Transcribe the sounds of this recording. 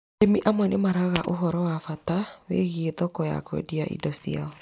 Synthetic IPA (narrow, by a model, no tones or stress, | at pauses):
emiʔamwɛnemaɾaɣaʔoɦɔɾɔwafatawḛɣieðɔkɔja̰kwɛ̰diaʔḭdɔsḭa̰ɔ